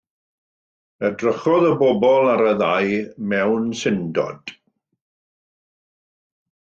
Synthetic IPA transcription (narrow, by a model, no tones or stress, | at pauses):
ədrəχɔðəbɔbɔlˠaɾəðajmɛwnsɪndɔ̰d̥